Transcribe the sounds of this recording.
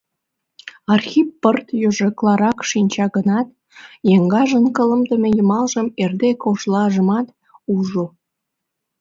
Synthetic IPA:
ɑrxʲipːərt̪jøʒəklɑɾɑkʃinʲt͡ɕɑɣənɑt̪̚ | jeŋɡɑʒənkələmd̪əmejəmɑlʒəmerd̪ekoʃlɑʒəmɑt̪ | uʒo

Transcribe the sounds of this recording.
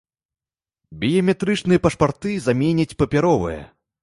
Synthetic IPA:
bʲijɐmʲɛt̪ɾɨt͡ʂnɨjɐpɐʂpart̪ɨzamʲenʲɐt͡sʲpɐpʲaɾɔvɨ̰jɐ̰

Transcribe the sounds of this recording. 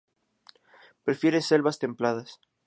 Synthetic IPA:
pɾe̞fje̞ɾese̞lβast̪e̞mplað̞as

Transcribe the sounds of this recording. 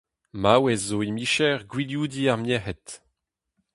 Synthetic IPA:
mawɛzːoimiʃɛʁɡwiljuːdiaʁmjɛʁɛt

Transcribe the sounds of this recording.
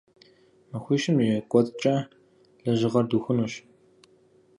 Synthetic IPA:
mɐxʷiːʃɪmjɛkʷʼɔt͡sʼt͡ʃʼɐ | ɮɐʒɪʁɐrduːxʷʊnuːʃ

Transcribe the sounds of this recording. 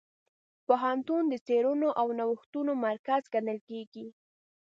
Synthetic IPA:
poɦant̪und̪ət͡seɾunoʔawnawəxt̪unomaɾkazɡanəlkeɡi

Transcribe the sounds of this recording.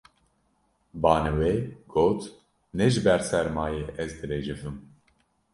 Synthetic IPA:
bɑːnɨweɡ̥oːt̪ | nɛʒɨbɛɾsɛɾmɑːjeːʔɛzd̪ɨɾeːd͡ʒɨvɨm

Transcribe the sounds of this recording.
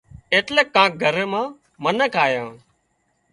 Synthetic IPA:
eːʈleːkːãːk̚ɡʱəɾeːmãː | mənəkaːjãː

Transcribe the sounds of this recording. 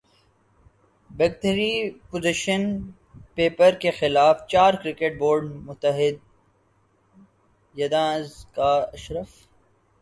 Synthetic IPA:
bɛɡ̚ʈ̪əɾipozɪʃən | peːpəɾkexɪlaːft͡ʃaːɾkɾɪkeʈ̚boːɾɖmʊt̪ːəɦɪd̪̚ | jɐd̪ãːzkaɐʃɾəf

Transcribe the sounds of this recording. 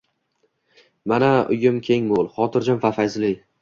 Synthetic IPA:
manaʊjʊmkʲʰe̞ŋmolˠχɒt̪ʰɪɾd͡ʒɒnfafajzlɪj

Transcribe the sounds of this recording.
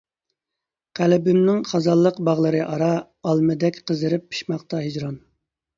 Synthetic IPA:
qʰælɪbɪmnɪŋχɑzɑlˠːəqbɑʁlˠəɾɨʔɑɾɑ | ɑlˠmɨd̪ɛkʲqʰəzɨɾɪpʰːi̥ʃmɑχt̪ɑɦid͡ʒɾɑn

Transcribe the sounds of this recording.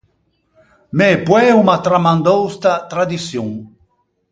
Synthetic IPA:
mepwɛumat̪ɾamand̪owst̪at̪ɾad̪isjuŋ

